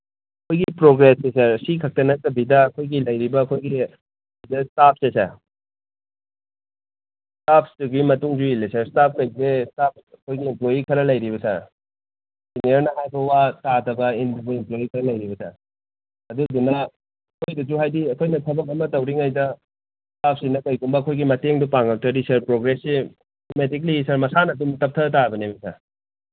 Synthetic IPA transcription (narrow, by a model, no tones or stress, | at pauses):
ɐkʰojɡipɾoɡɾessesɐɾsikʰɐk̚tɐnɐtɐbidɐːkʰojɡilɐjɾibɐːkʰojɡi | dɐstap̚ʰsesɐ̰ɾ | stapʰstuɡimɐtuŋd͡ʒuilesɐɾstap̚ʰkɐjzestap̚ɐkʰojɡiːmplojikʰɐɾɐlɐjɾibɐsɐ̰ɾ | ziniɐɾnɐɦajbʰɐwatatɐbɐimimplojikʰɐɾɐlɐjɾibɐsa̰ | ɐdudunɐ | ɐkʰojdɐzuɦajdiɐkʰojnɐtʰɐbɐkɐmɐtɐwɾiŋajdɐ | stap̚ʰsinɐkɐjkumbɐɐkʰojɡimɐteŋdupaŋɡɐk̚tʰɐdisɐɾpɾoɡɾese | tometiklisɐɾmɐsanɐdumtɐp̚tʰɐtabɐnebɐsʰa